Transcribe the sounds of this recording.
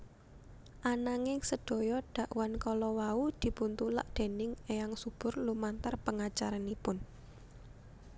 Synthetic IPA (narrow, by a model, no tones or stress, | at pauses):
ʔanaŋɪŋsəd̥o̤jɔɖ̥ä̤ʔwankɔlɔwaud̪̥i̤punt̪ula̰ʔd̪̥e̤nɪŋeaŋsub̥ʊ̤rlumant̪ərpəŋat͡ʃaɾanipʊn